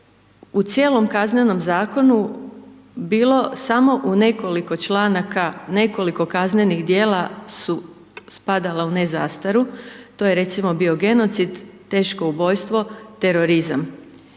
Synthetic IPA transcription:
ut̪sje̞ːlo̞mkazneno̞mzaːko̞nu | biːlˠo̞samo̞ʔune̞ko̞liko̞t͡ʃlˠaːnakane̞ko̞liko̞kazne̞nixd̪je̞ːlˠasu | spad̪alaune̞zaːst̪aɾut̪o̞jeɾe̞t̪simo̞bio̞ɡe̞no̞t̪sid̪t̪ːe̞ːʃko̞ubo̞jst̪ʋo̞t̪e̞ɾo̞ɾizam

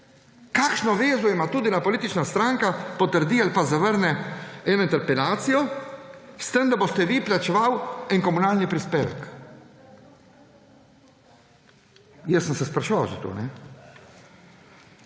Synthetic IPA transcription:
kaːkʃnɔʋeːzɔimat̪uːd̪inapɔliːt̪it͡ʃnast̪ɾaːŋkapɔt̪əɾd̪ialpazaʋəɾnɛɛːnɔint̪ɛɾpɛlaːt̪sijɔ | st̪əmd̪abost̪ɛʋiplat͡ʃɛʋawɛnkɔmunaːlnipɾispeːʋɛ̰k | jɛsːənsɛspɾaʃuʋawzat̪o̰ːnɛ

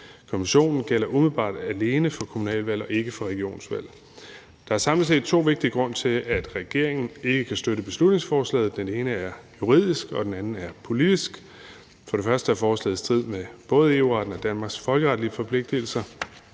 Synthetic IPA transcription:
kʰomiɕo̝̰ːnn̩ɡ̥el̰ɐʔumð̞̩ˠb̥ɑ̰̈ːd̥æle̝ːnəfɒ̽kʰo̝munɛ̰ːlʋæl̰ɒ̽e̝ɡ̥əfɒ̽ʁɛɡ̥io̝̰ːnsʋæl̰ | d̥ɑ̈æɐsɑ̈ml̩se̝̰d̥̚t͡sʰo̝̰ːʋe̝ɡ̥d̥iəɡ̥ʁɔ̽n̰t͡sʰe̝læd̥ʁɛɡ̥e̝ɐ̰eŋn̩e̝ɡ̥əkʰæsd̥øɾəb̥e̝slud̥ne̝ŋsfɒːslɛ̰ːð̞̩ˠd̥ene̝ːnəæɐjuʁḭð̞̰ˠisɡ̥ɒ̽d̥enænn̩æɐpʰo̝lid̥isɡ̥ | fɒ̽ɾ̥efɶɐsd̥əæɐfɒːslɛ̰ːð̩ˠst͡sʰið̰ˠmeb̥ɔ̽ːð̞ˠe̝ṵːʁɑ̈d̥n̩ɒ̽d̥ænmɑ̈ːɡ̥sfɒ̽lɡ̥əʁɑ̈d̥liəfɒ̽pʰle̝ɡ̥̚d̥il̩sɐ

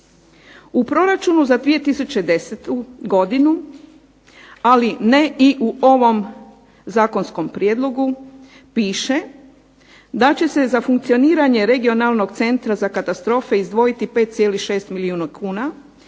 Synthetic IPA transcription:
upɾo̞ɾat͡ʃunuzad̪ʋije̞t̪isut͡ɕe̞d̪e̞set̪uɡo̞d̪inu | alineʔiʔuʔo̞ʋo̞m | zaːko̞nsko̞mpɾjeːd̪lˠo̞ɡu | piːʃe | d̪at͡ɕe̞se̞zafuŋk̚t̪sio̞niːɾaɲe̞ɾe̞ɡio̞nalˠno̞ɡt̪se̞nt̪ɾazakat̪ast̪ɾo̞ːfe̞izd̪ʋo̞jit̪ipe̞ːt̪t̪sjeːlihʃe̞ːst̪miliuːnukʰuːna

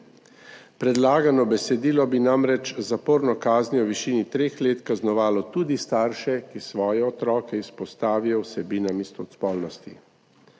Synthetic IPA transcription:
pɾɛd̪laːɡanɔbɛsɛd̪iːlɔbinamɾɛt͡ʃzapoːɾnɔkaːznjɔɔʋiʃiːnit̪ɾeːxleːt̪kaznɔʋaːlɔt̪uːd̪ist̪aːɾʃɛkisʋɔːjɛɔt̪ɾɔːkɛispɔst̪aːʋijɔwsɛbiːnamist̪ɔt̪spɔlnɔst̪i

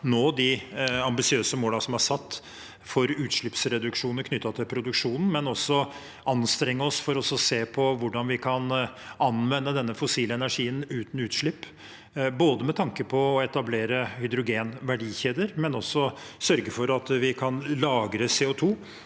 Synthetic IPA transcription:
noːd̪ɪɑmbɪsɪøːsəmoːlɑsɔmhɑʂɑt̪ː | fɔɾʉːt̪ʂɭɪpsɾɛd̪ʉkʂuːnəɾkʰnʏt̪ːɑt̪ʰɪlpʰɾʊd̪ʉkʂuːnn̩mɛnɔsːɔ | ɑnst̪ɾɛŋːəɔsfɔɾɔsɔseːpʰɔʋʊɖɑnʋɪkʰɑnɑnʋɛnːəd̪ɛnːəfʊsiːləɛnæʂiːənʉːt̪n̩ʉːt̪ʂɭɪpː | boːd̪əmɛt̪ʰɑŋkəpʰɔːɛt̪ɑbleːɾəhʏd̪ɾʊɡeːnʋæɖiːçeːd̪əɾmɛnɔsːɔsœɾɡəfɔɾɑt̪ʋɪkʰɑnlɑːɡɾəseːʊt̪ʰuː

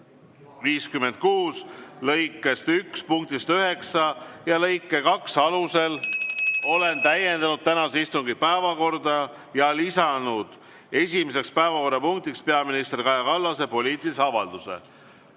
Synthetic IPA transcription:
viːskymːe̞nd̪̚kuːslɤ̞jkːˑe̞st̪ykspuŋk̚t̪ist̪øɦe̞ksɑjɑlɤ̞jkːˑe̞kɑksɑluse̞l | o̞le̞nt̪æje̞nd̪ɑnud̪̥̚t̪ænɑseist̪uŋɡipæevɑko̞rd̪ɑ | jɑlisɑnud̪̥ | e̞sʲimes̬e̞kspæevɑko̞rːɑpuŋk̚t̪ikspe̞ɑminist̪rikɑjɑkɑlːɑse̞po̞lʲiːt̪iliseɑvɑld̪̥use̞̰

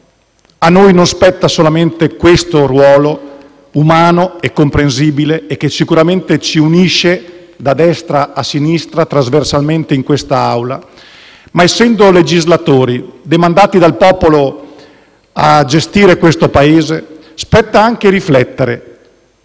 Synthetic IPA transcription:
anːojnonspɛt̪ːasolament̪ekwest̪orwɔːlo | umaːnoekːompɾens̬iːbileːk̟ːesikuɾament̪et͡ʃiuniʃe | d̪ad̪ɛst̪ɾaːsːinist̪ɾat̪ɾazversalment̪eiŋkwest̪aawla | maesːɛnd̪oled͡ʒizlat̪oːɾid̪emand̪aːt̪id̪alpɔːpolo | ad͡ʒest̪iːɾekwest̪opaeːze | spɛt̪ːaaŋk̟eɾiflɛt̪ːeɾe

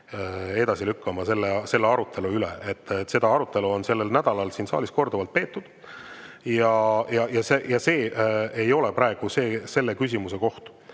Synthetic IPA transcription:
e̞d̪̥ɑsilykːɑmɑse̞lːese̞lːeɑɾut̪ʰːe̞luylḛet̪ːse̞d̪ɑɑɾut̪ːˑe̞luo̞nse̞lːelnæd̪̥ɑlɑlsiːnsɑ̰ːlisko̞rd̪uvɑlt̪̚pe̞ːt̪ːud̪̥ | jɑjɑjɑsejɑse̞ːe̞jo̞lɛpɾɑeɡ̥use̞ːse̞lːe̞kys̬ʲimuse̞ko̞ht̪u̥

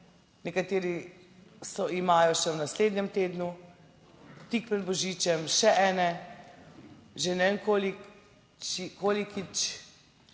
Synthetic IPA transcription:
nɛkat̪eːɾi | sɔimaːjɔʃɛwnasleːd̪nɲɛmt̪eːd̪nu | t̪ik̚pɾɛd̪̚bɔʒiːt͡ʃɛmʃɛʔɛːnɛ | ʒenɛenkoːli | t͡ʃikoːlikit͡ʃ

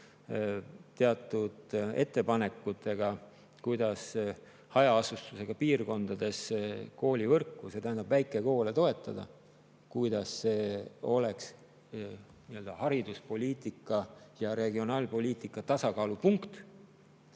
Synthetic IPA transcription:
t̪e̞ɑt̪ːˑud̪̥e̞t̪ːe̞pɑne̞kːˑut̪ʰːˑe̞ɡ̥ɑ | kujd̪̥ɑs | hɑjɑɑsust̪use̞ɡ̥ɑpiːrko̞nd̪̥ɑd̪̥e̞sko̞ːlʲivɤrkːˑuse̞t̪æɦænd̪ɑbvæjkːˑeko̞ːlet̪o̞e̞t̪ːˑɑd̪̥ɑ̰ | kujd̪ɑsːe̞ːo̞le̞ks | niøld̪̥ɑhɑɾid̪̥uspo̞lʲiːt̪ˑikːˑɑjɑɾe̞ɡio̞nɑːlpo̞lʲiːt̪ˑikˑːɑt̪ɑsɑkɑːlupuŋkt̪

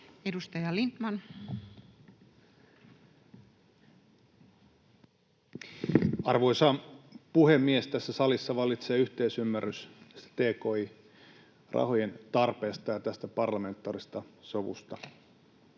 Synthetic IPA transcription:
edust̪ɑjɑlint̪mɑn | ɑrʋo̞isɑpuhemːiest̪æsːæsɑlisːɑʋɑlit̪seːyht̪eisymːærysst̪e̥t̪eːkoi | rʔɑ̰ho̞jent̪ɑrpe̞ːst̪ɑjɑt̪æst̪æpɑrlɑme̞nt̪ːˑɑːrist̪ɑsoʋṵst̪ɑ

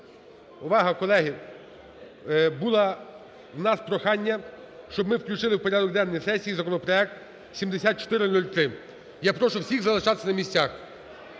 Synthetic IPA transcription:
ʊʋɑɦɐkɔlˠɛɦi | bulˠɐ | wnɑspɾɔxɑnʲːɐ | ʃt͡ʃɔbmɪwklʲut͡ʃɪlˠɪwpɔɾʲad̪ɔkd̪ɛnːɔjsɛsʲijizɐkɔnɔpɾɔɛk̚t̪ | sʲimd̪esʲat̪t͡ʃɔ̥t̪ɪɾɪnulʲt̪ɾɪ | japɾɔʃʊwsʲiɣzɐlˠɪʃɑt̪e̥sʲɐnɐmʲisʲt͡sʲax

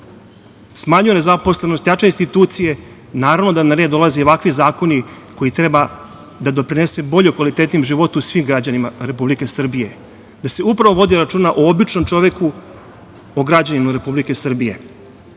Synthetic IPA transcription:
smaɲujene̞zapo̞sle̞nost̪jat͡ʃeinst̪it̪uːt̪sije̞ | naːɾavʋno̞d̪anaɾe̞ːd̪o̞lˠazeoʋakʋizaːko̞ni | ko̞it̪ɾe̞ba | d̪ad̪o̞pɾine̞se̞bo̞ʎokʋalit̪et̪nimʒiʋo̞t̪uusʋimɡɾad͡ʑanimaɾe̞publike̞sr̩bije̞ | d̪ase̞upɾaʋoʋo̞d̪iɾat͡ʃuːnaʔoobit͡ʃno̞mt͡ʃo̞ʋeku | oɡɾad͡ʑanimaɾe̞publike̞sr̩bije̞̰

